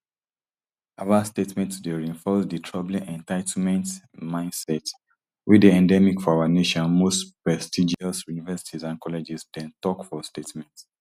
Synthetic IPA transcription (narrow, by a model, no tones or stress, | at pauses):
ʔavastetmɛ̃ntsdeɹiĩɱfɔsditʰɹɔblĩʔɛ̃ntaɪtʰmɛ̃nt | mãɪ̃ndsɛt | widiɛ̃ndɛmikfɔawaneʃɔ̃nmostpɹɛstid͡ʒiɔsjunivɛsi̥tʰizãnkɔlɛd͡ʒisdɛ̃ntɔkfɔstetmɛ̃nts